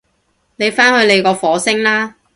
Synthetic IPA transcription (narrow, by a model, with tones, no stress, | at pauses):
ne˨˧jfaː˥nhɵ˧ɥle˨˧jkɔː˧fɔː˨˧sɪ˥ŋlaː˥